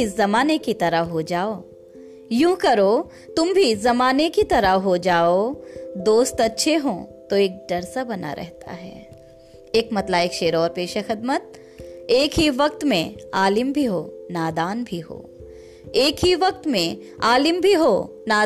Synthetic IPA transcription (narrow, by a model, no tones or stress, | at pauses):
ɪzɐmaːnekit̪ɐɾəɦod͡ʒaːoː | jũːkɐɾo | t̪ʊmbʱizɐmaːnekit̪ɐɾəɦod͡ʒaːod̪oːst̪ɐtːʃʰeɦõːt̪oeːk̚ɖɐɾsabɐna̰ɾʔɛ̰ɦt̪ʰa̰ɦɛ̰ː | eːkmɐt̪laeːkʃeːɾɔːɾpeːʃexɪd̪mət̪̚ | eːkɦiʋɐk̚t̪mẽaːlɪmbʱiɦoːnaːd̪aːnbʱiɦo̰ː | eːkɦiʋɐk̚t̪mẽ | aːlɪmbʱiɦoː | naː